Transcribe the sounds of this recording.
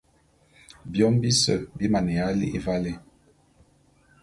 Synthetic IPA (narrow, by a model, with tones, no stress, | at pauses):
bjɔ˦m˦bi˦sə̰˨bi˦ma˨ne˨a˦lḭ˦ʔe˦va˦le˦